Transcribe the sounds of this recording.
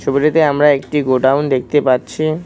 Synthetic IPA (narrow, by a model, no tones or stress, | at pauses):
ʃobiɾet̪eamɾaekʈiɡoɖawnd̪ek̚ʰt̪epaɾɕʰi